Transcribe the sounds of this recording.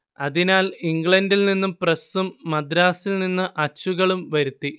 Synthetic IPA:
ɐðinaːliŋɡɭɐndilninːumprɐsumːɐd̪ɾaːsilninːɨʔɐt͡ɕːuɣɐɭumʋɐɾut̪ːi

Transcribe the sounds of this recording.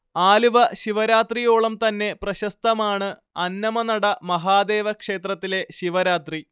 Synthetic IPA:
aːluʋɐɕiʋɐɾaːt̪rijo̞ːɭɐmt̪ɐnːe̞prɐɕɐst̪ɐmaːɳɨ | ɐnːɐmɐnɐɽɐmɐɦaːd̪e̞ːʋɐkʂe̞ːt̪rɐt̪ːile̞ɕiʋɐɾaːt̪ri

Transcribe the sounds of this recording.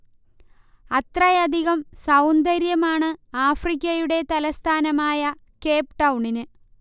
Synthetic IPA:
ɐt̪rɐjɐd̪ʱiɣɐmsɐwnd̪ɐɾjɐmaːɳɨaːfrikʲːɐjuɽe̞t̪ɐlɐst̪ʰaːnɐmaːjɐ | ke̞ːpʈɐwɳinɨ

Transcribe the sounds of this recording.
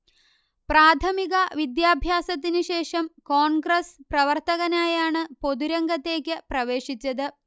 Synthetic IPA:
praːt̪ʰɐmiɣɐʋid̪jaːbʱjaːsɐt̪̬ːinɨɕe̞ːʂɐmkoːɳɡɾɐsprɐʋɐrt̪ɐɣɐnaːjaːɳɨpo̞d̪uɾɐŋɡɐt̪ːe̞ːkʲːɨprɐʋe̞ːʂit͡ɕːɐðɨ

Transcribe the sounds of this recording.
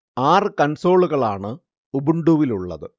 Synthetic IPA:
aːrɨkɐnso̞ːɭuɣɐɭaːɳɨ | ubuɳɖuʋiluɭːɐ̰ðɨ

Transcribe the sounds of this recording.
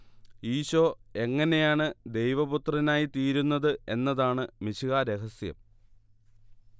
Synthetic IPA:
iːɕoːe̞ŋːɐne̞jaːɳɨd̪e̞jʋɐbut̪rɐnaːjit̪iːɾunːɐðɨe̞̰nːɐðaːɳɨmiɕiɣaːɾeɦɐsjɐ̰m

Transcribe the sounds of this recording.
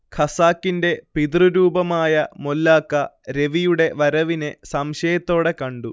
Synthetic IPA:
kʰɐsaːkːinde̞pid̪ruɾuːbɐmaːjɐmolːaːkːɐɾe̞ʋijuɽe̞ʋɐɾɐʋinesɐmɕɐjɐt̪ːo̞ːɽe̞kɐɳɖu

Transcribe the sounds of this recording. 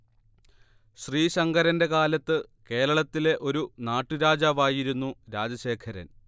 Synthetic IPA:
ɕriːɕɐŋɡɐɾɐnde̞kaːlɐt̪ːɨke̞ːɾɐɭɐt̪ːile̞ʔo̞ɾunaːʈːuɾaːd͡ʑaːʋaːjiɾunːuɾaːd͡ʑɐɕe̞ːkʰɐɾɐ̰n

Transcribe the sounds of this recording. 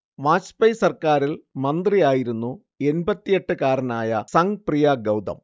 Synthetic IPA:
ʋaːt͡ɕpɐjsɐrkaːɾilmɐnd̪rijaːjiɾunːu | e̞nbɐt̪ːije̞ʈːɨkaːɾɐnaːjɐsɐŋprijaɡɐwd̪ɐ̰m

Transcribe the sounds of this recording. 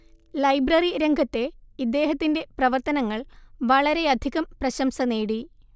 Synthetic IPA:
lɐjbrɐriɾeŋɡʱɐt̪ːe̞id̪ːe̞ːɦɐt̪ːinde̞prɐʋɐrt̪ɐnɐŋːɐɭʋɐɭɐɾe̞ɐd̪ʱiɣɐmprɐɕɐmsɐneːɽi

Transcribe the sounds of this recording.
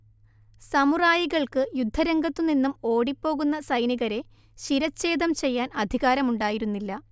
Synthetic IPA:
sɐmuraːjiɣɐɭkɨjud̪ʱːɐɾɐŋɡɐt̪ːɨninːumo̞ːɽipːo̞ːɣunːɐsɐjniɣɐɾe̞ | ɕiɾɐt͡ɕːe̞ːd̪ɐmt͡ɕe̞jːaːnɐd̪ʱiɣaːɾɐmuɳɖaːjiɾunːilːɐ

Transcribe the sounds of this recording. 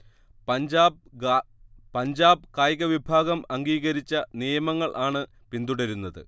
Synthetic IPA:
ɐd͡ʑaː | pɐɲd͡ʑaːbɨkaːjɣɐʋibʱaːɡɐmɐŋɡiːɣɐɾit͡ɕːɐnijɐmɐŋːɐɭʔaːɳɨ | pind̪uɽɐɾunːɐðɨ̰

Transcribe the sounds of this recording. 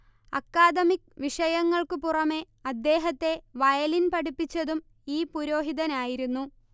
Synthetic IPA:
ɐ̰kːaːd̪ɐmikʋiʂɐjɐŋːɐɭkɨpurɐme̞ | ɐd̪ːe̞ːɦɐt̪ːe̞ʋɐjɐlinpɐɽipːit͡ɕːɐðum | iːpuɾo̞ːɦiðɐnaːjiɾunːu

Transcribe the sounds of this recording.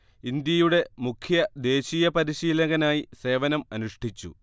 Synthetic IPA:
ind̪jɐjuɽe̞mukʰjɐd̪e̞ːɕiːjɐpɐɾiɕiːlɐɣɐnaːjise̞ːʋɐnɐmɐnuʂʈʰit͡ɕːṵ

